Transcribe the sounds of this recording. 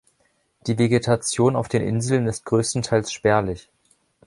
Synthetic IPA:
d̥iːveɡetʰat͡sjoːnaʊfd̥eːnʔɪ̰nzl̩nɪst̚ɡ̥ʁøːstn̩tʰaɪlsʃpɛɐlɪç

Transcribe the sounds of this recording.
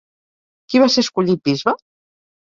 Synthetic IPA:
kiβaseskuʎit̪̚bizβa

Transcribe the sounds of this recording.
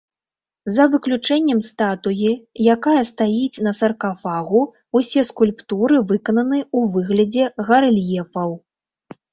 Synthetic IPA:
zɐvɨklʲut͡ʂɛnʲːɛmst̪at̪ujijakajɐst̪ajit͡sʲnɐsɐrkafaɣu | usʲɛskulʲpt̪uɾɨvɨkɐnɐnɨuvɨɣlʲɐd͡zʲɛɣɐɾɨlʲjɛfɐw

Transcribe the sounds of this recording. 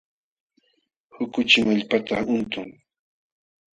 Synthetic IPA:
hʊkʊt͡ʃɪmaʎpat̪aʊnt̪ʊŋ

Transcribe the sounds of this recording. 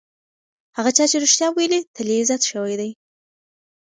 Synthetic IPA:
haɣat͡ʃɑt͡ʃeɾuʃt̪jɑwajəlit̪ʰaliɪzat̪ʃəwajd̪aj

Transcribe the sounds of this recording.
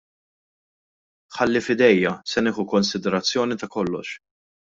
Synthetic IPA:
ħɐlːifɪd̪ɛjːɐsɛnɪːħukɔnsɪd̪ɛɾɐt͡sːjɔːnit̪ɐkɔlːɔ̰ʃ

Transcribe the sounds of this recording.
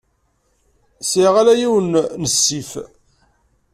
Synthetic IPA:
siʁalæjiwənnəsːif

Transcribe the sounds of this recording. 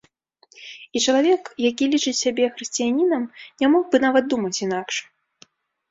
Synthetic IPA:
it͡ʂɐlˠavʲɛkjak̬ʲilʲit͡ʂɨt͡sʲsʲabʲɛxɾɨsʲt͡sʲijanʲinɐmnʲamɔɣbɨnavɐd̪̚d̪umɐt͡sʲinakʂ

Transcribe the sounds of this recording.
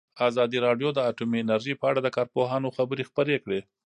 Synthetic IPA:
azɑd̪iɾɑɖjod̪əaʈumiɪnaɾʒipəaɽad̪əkɑɾpoɦɑnoxabəɾexpəɾekɽe

